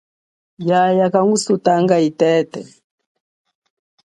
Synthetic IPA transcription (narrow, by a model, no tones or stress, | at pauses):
jajakaŋɡusutaŋɡaitɛtɛ